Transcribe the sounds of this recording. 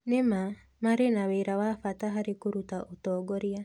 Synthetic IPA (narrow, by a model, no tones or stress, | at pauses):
nema | maɾenaweːɾawafataɦaɾekoɾutaʔotɔːɡɔɾia